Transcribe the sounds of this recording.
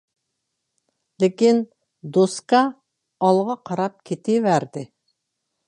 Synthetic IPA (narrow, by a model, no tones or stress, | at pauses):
lɪkʲin | d̪oskɑ | ɑlˠʁɑqʰɑɾɑp̚kʲʰet̪ʰevæɾd̪ɪ